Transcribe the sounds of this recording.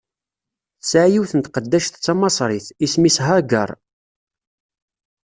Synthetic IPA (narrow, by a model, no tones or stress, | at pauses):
θsʕjiwθənt̪qəd̪ːæʃθt͡sːɑmɑsˤɾˤɪθismisɦaɡə̰ɾˤ